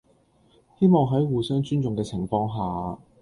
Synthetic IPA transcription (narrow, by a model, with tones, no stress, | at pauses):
he˥jmɔː˨ŋɦɐ˨˥jwuː˨sœː˥ŋt͡ʃyː˥nt͡sʊ˨ŋkɛː˧t͡sʰɪ˨˩ŋfɔː˧ŋɦaː˨˩